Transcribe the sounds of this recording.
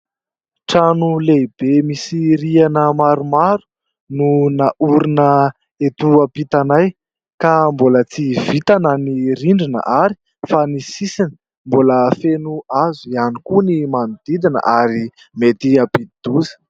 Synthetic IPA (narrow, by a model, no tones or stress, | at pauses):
ʈ͡ʂanuleb̥emisiɾianəmaɾumaɾu̥ | nunaʔuɾinə | et̪uapit̪anaj | kambolət͡sivit̪anəniɾiɳɖ͡ʐinə̰ʔaɾi̥ | fanisisinə | mboləfenuazuianikunimanud̪̥id̪inə̰ʔaɾi | met̪iapid̪d̪̥uzə̥